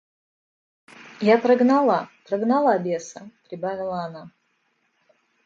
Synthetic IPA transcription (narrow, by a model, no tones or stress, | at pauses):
japɾɐɡnalˠapɾɐɡnalˠabʲesəpɾʲɪbavʲɪlˠəːna